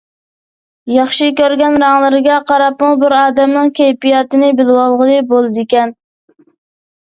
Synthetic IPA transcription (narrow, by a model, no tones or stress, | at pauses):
jɑχʃikʲøɾɡʲɛnɾɑŋlˠɨɾɪɡʲɛqʰɑɾɑpmubɪɾɑːd̪ɛmnɨŋkʲʰejpijɑt̪ɪnɪbɪlwɑlˠʁəlˠɨbolˠɨd̪ɪkʲɛn